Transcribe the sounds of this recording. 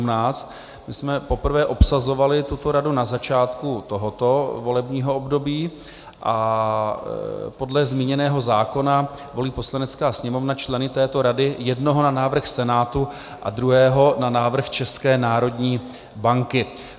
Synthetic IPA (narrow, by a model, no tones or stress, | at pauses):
umnaːt͡st̪ | mɪsmɛpo̞pr̩vɛːʔo̞psazo̞valɪt̪ut̪o̞ɾadunazat͡ʃaːt̪kut̪o̞ɦot̪o̞vo̞lɛbɲiːɦo̞obdo̞biː | ʔa | po̞dlɛzmiːɲɛnɛːɦo̞zaːko̞na | vo̞liːpo̞slanɛt͡skaːsɲɛmo̞vnat͡ʃlɛnɪt̪ɛːt̪o̞ɾadɪjɛdno̞ɦo̞nanaːvr̩xsɛnaːt̪u | ʔa̰dɾuɦɛːɦo̞nanaːvr̩xt͡ʃɛskɛːnaːɾo̞dɲiː | baŋkɪ